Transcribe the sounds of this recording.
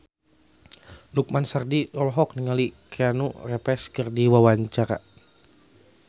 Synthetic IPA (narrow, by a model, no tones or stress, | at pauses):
luk̚mansardidɔlɦɔk̚niŋalikɛanṵrɛpɛskərdiwawaɲt͡ʃaɾa̰